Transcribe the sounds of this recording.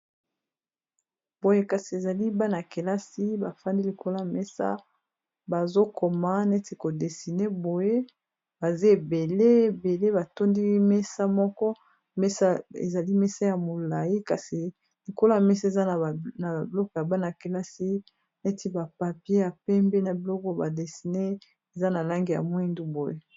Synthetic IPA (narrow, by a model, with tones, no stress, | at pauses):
bo˨je˦ka˨si˨e˨za˨li˦ba˦na˨ke˨la˦si˦ba˨fa˦ndi˦li˨ko˦la˦˨mɛ˦sa̰˦ | ba˨zo˦kʰo˨ma˦ne˦ti˨ko˨de˨si˨ne˦bo˨je˦ | b̥a˨ze˦e˨be˨le˦e˨be˨le˦ba˨to˦ndi˦mɛ˦sa˦mɔ˦kɔ˦ | me˦sa˦ḛ˨za˨li˦mɛ˦sa˦ja˨mo˨la˨ji˦ka˨si˨ | li˨ko˦la˦a˨me˦sa˦e˨za˦˨na˨a˨blɔ˦kɔ˨ja˨ba˦n˨a˨ke˨la˦si˦ | ne˦ti˦ba˨pa˨pje˦a˨pɛ˦mbe˦na˨bi˨lɔ˦kɔ˦ba˨de˨si˨ne˦ | e˨za˦na˨la˦ŋɡi˨ja̰˨mwi˦ndu˦bo˨je˦